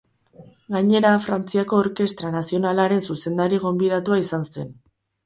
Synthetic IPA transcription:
ɡaɲe̞ɾafɾant͡siako̞ːɾke̞st̪ɾanasio̞nalaɾe̞nsuse̞nd̪aɾiɣ̞o̞mbiðat̪uaisanse̞n

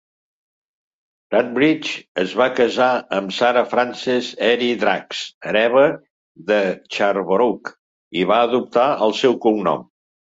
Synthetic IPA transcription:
at̪̚bɾit͡ʃəzβakəzaəmsaɾəfɾansɛzɛɾiðɾaksəɾɛβə | ðət͡ʃaɾβɾuk | iβaəðup̚t̪aəlˠsɛwkuŋnɔ̰m

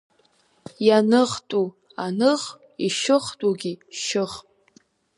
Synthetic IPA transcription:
janɨχtʼu | anɨʁ | iʃɨχtʼuɡʲiʃɨχʼ

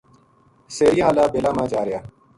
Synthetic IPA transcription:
seːɾijɦaːlaːbeːlaːmãːd͡ʒaːɾɪjaː

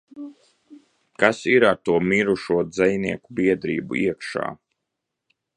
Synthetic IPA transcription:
kasiɾaɾt̪uɔmiɾuʃuɔd̪zɛjniɛkubiɛd̪ɾiːbṵiɛkʃa̰ː

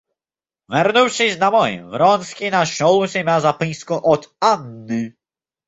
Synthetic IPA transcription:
vɛɾnuwɕizʲnamɔjɛ̰̃vɾɔnskʲejnaɕɔlũɕɛmʲawzapĩjskɔ̃ʔɔt̪anːɨ

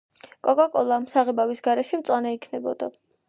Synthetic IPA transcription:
kʼɔkʼakʼɔlˠamsaʁɛbavisɡaɾɛʃɛmt̪sʼwanɛikʰnɛbɔ̰d̪a̰

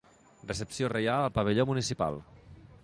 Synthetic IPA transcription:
rəsəpsiorejaləlˠpaβəʎomunisipa̰lˠ

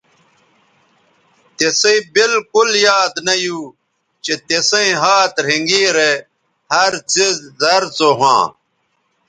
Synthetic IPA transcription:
t̪eseibilkuljaːd̪nɐju | t͡ɕet̪esẽĩɦaːt̪ɾ̤iŋɡiːɾe | hɐɾt͡sizzɐɾt͡soɦã̰ː

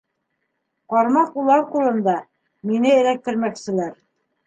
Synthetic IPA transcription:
qɑɾmɑqulˠɑɾqulˠɤ̆nd̪ɑ | minɘɘ̆ɾæk̚t̪ɘ̆ɾmæksɘ̆læɾ

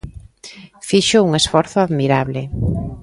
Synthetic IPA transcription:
fiʃʊuŋesfɔɾθʊaðmiɾaβlɪ

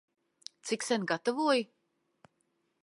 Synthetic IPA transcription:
t̪siksʲɛnɡat̪avuɔj

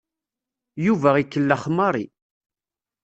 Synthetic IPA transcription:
juvæikːəlːæχmɑɾˤḭ

